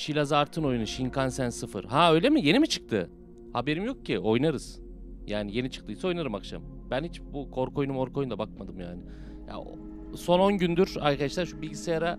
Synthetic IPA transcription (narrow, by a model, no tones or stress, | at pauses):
ʃilʲazaɾt̪ʰɯno̞junuʃiŋkʰansænsɯfɯ̰ɾhaøjlʲe̞mije̞nimit͡ʃʰɯ̥k̚t̪ʰɯ | habe̞ɾimjo̞k̚cʰiʔo̞jnaɾɯz̥ | jaːnije̞nit͡ʃʰɯ̥k̚t̪ɯjisɛo̞jnaɾɯmakʃa̰m | b̥ænhit͡ʃbukʰo̞ɾko̞junumo̞ɾko̞jund̪abak̚mad̪ɯmja̰ːnɪ | ja̰ | so̞no̞nɟynd̪yɾaɾkad̪aʃlˠaɾʃubilʲɟisejaɾa